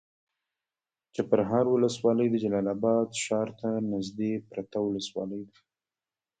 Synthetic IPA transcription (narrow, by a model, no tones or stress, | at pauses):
t͡ʃapəɾɦɑɾwʊləswɑləjd̪əd͡ʒalɑlɑbɑd̪ʃɑɾt̪anɪzd̪epɾat̪awʊləswɑ̰ləjd̪ḁ